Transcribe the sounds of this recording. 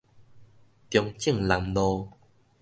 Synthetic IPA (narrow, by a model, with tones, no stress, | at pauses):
t̪jɔ˧ŋt͡ɕi˥˩˨ŋla˨˧mlo˧